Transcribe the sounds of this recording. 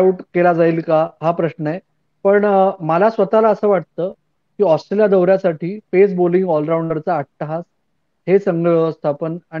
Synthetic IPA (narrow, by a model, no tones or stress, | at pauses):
uʈkelad͡zaiːlkaɦapɾəɕɳəe | pəɳməlasʋət̪alaəsəːʋaʈ̚t̪əː | kiːɔsʈɾeljad̪əwɾjasaʈʰiːfes̬boliŋɡɔlɾawɳɖəɾt͡saːʈ̚t̪əɦas | hesəŋɡəɭəʋəst̪ʰapəna